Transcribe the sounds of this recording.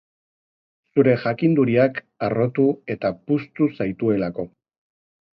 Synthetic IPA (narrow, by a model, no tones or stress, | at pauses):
suɾe̞ʝakind̪uɾiak | aro̞t̪ue̞t̪apust̪usajt̪ue̞lako̞